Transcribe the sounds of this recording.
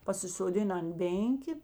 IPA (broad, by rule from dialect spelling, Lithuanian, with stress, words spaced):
pɐsʲɪsoːˈdʲɪnɐ ɐnt ˈbʲeːŋʲkʲeː